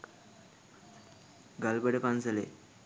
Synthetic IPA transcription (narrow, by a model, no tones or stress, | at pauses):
ɡalbəɽepand͡zəlḛ